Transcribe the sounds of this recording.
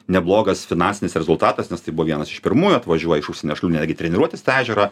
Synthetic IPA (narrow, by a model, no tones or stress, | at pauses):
nʲɛblˠoːɡɐsfʲɪnɑnʲsʲɪnʲɪsɾʲɛzʊlˠt̪ɑːt̪ɐsnʲɛst̪ɐɪbuʋɔʋiɛnɐsɪʃpʲɪɾmuːjuɐt̪ʋɐʒʲuɔjɛɪʃʊʃʲsʲɛnʲuːʃɐlʲuːnʲæːd̪ʲɡʲɪt̪ʲɾʲɛnʲɪɾuɔt̪ʲɪst̪æːʒʲɛɾɑː